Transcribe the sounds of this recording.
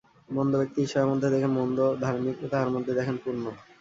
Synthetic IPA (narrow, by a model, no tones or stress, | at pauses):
mɔnd̪obek̚t̪iɦiʃebeɾmod̪ʱːed̪ekʰenmɔnd̪od̪ʱaɾmikot̪aɦaɾmod̪ʱːed̪ɛkʰenpuɾno